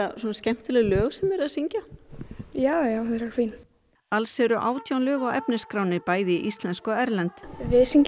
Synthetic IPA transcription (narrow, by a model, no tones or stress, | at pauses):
asɔnascɛm̥t̪ʏlɛɣʏlœːɣsɛmɛɾaðsiɲca | jaːwjawɾakʰvin | alsɛɾʏʔaːwt̪ʰjawnlœːɣawʔɛpnɪskɾaːwnɪpaːjðɪʔist̪lɛnskɔɛɾlɛnt̪vɪsiɲc